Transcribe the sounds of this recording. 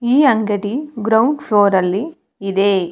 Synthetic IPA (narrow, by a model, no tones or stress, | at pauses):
iːɐŋɡeʈiɡɾɐwɳɖpʰloːɾɐlːiː | d̪e